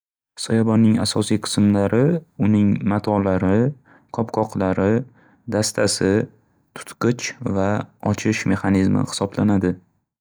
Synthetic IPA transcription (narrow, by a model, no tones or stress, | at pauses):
sɒjabɒnːɪŋasɒsijqʰɨ̥smlaɾɪʊnɪŋmat̪ʰɒlaɾɪ | qʰɒpqʰɒqlaɾɪ | d̪ast̪ʰasɪ | t̪ʰʊ̥t̪qɨt͡ʃvaɒt͡ʃʰɪʃme̞χanizmɪ̰hɪ̥sɒblanad̪ɪ